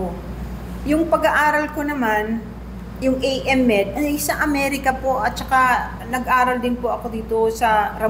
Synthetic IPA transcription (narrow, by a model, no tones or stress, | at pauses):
jʊŋpɐɡɐʔaːɾɐlko̞nɐman | jʊŋʔejʔɛmːɛd̪̚ʔɐjsɐʔɐmɛɾɪkɐpo̞ʔɐt̪̚t͡ʃɐka | nɐɡ̚ʔaːɾɐld̪ɪnpoʔɐko̞d̪iːt̪o̞sɐɾɐ